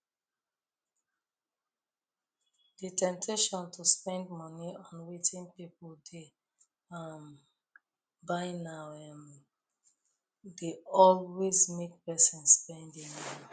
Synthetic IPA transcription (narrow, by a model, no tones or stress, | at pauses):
d̥itʰɛ̃mtʰeʃɔ̃ntʰuspɛ̃ndmɔniɔ̃nwetĩnpipɔlde | am | baɪnawɛm | deɔlwezmek̚pɛsĩnsːpɛ̃ndĩŋmɔni